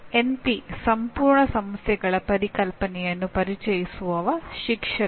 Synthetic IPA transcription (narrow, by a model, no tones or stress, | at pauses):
enpisɐmpuːɾɳɐsɐmɐsjɐɡɐɭɐpɐɾikɐlpɐnijɐnːupɐɾit͡ʃɐjisuʋɐʋɐʃikʂɐ